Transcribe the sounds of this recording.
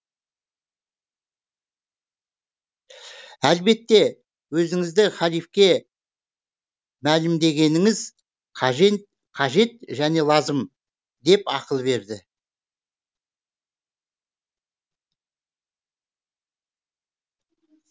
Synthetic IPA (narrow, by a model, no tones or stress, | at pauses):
ælbe̞t̪ːe̞ | wɵzɪŋɪzd̪ɪχælijfkʲe̞ | mælɪmd̪e̞ɡʲe̞nɪŋɪz | qʰɑʒe̞t̪ | qʰɑʒe̞t̪ʒæne̞lˠɑzəm | d̪e̞pɑqəlˠbe̞ɾd̪ɪ